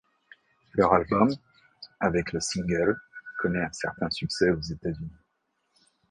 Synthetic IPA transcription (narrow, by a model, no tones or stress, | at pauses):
lœʁalbɔm | avɛkləsĩŋɡœlkʰɔnɛɛ̃sɛ̰ʁt̪ɛ̃syksɛozet̪azyni